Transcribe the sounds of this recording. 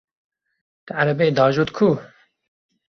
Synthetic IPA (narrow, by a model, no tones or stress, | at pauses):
t̪ɨaɾɐbed̪ɑːʒuːt̪kʰu